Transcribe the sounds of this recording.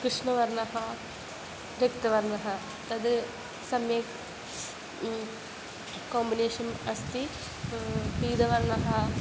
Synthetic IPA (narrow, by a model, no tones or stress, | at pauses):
kɾɨʂɳɐʋɐɾnɐɦɐ | ɾjɐkt̪ɐʋɐɾnɐɦɐ | t̪ɐd̪ | sɐmjek | koːmbineːʂɐnɐst̪i | piːd̪ɐʋɐɾnɐɦɐ